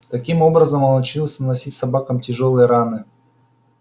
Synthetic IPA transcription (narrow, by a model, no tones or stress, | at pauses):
t̪ɐkʲimo̞bɾəzəmonɐt͡ɕʲilˠsʲnnɐsʲitʲsɐbakəmtʲɪʐolˠɨjəɾanɨ